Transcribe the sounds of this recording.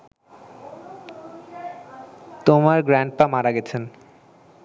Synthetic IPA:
t̪omaɾɡɾaɳʈ̚pamaɾaɡɛt͡ɕʰen

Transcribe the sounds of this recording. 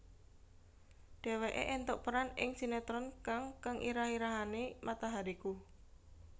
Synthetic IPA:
ɖ̥e̤weʔḛʔɛnt̪ʊʔpəɾanɪ̰ŋsinet̪ɾɔnkaŋkaŋʔḭɾahiɾaɦanemʔat̪aɦaɾiku

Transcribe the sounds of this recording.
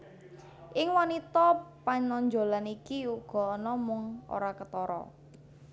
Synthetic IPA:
ʔɪŋwanit̪ɔpaɲɔɲd͡ʒo̤lanikiuɡ̥ɔ̤nɔmʊŋo̰ɾakət̪ɔɾɔ̰

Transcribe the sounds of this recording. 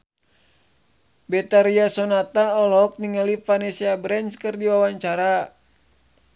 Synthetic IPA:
bɛt̪aɾiasɔnat̪aɔlɔk̚niŋalifanɛsiabɾɛnskɨrdiwawaɲt͡ʃaɾa

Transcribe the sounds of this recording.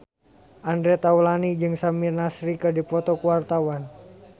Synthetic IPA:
ʔandɾɛt̪aulanid͡ʒɨŋsamirnasɾikɨdipɔt̪ɔkuwart̪awan

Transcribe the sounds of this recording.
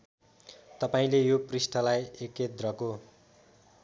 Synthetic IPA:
t̪ʌpaĩlejoprisʈʰʌlajeket̪rʌko

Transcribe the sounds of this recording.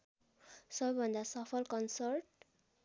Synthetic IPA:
sʌbʌbʱʌnd̪asʌpʰʌlkʌnsʌrʈ̚

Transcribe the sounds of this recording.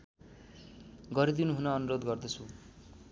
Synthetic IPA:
ɡʌɾid̪inuɦunʌːnuɾod̪ɡʌrd̪ʌt͡sʰu

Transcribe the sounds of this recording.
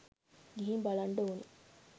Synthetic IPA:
ɡiɦimbalɐɳɖounḭ

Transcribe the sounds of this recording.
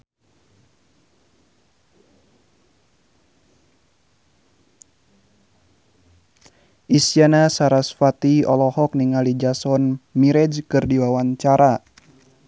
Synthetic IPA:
ʔisjanasaɾasfat̪iɔlɔhɔk̚niŋalid͡ʒasɔnmiɾɛd͡ʒkɨrdiwawaɲt͡ʃaɾa

